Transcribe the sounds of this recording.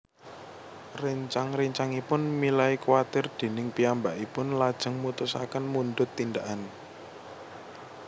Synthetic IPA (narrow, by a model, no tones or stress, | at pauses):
riɲt͡ʃaŋriɲt͡ʃaŋipʊnmilaikwat̪ɪrd̪̥e̤nɪŋpiambaʔipʊnlad̥ʒ̥ə̤ŋmut̪ʊsa̰kənmund̪ʊt̪ːind̪aʔan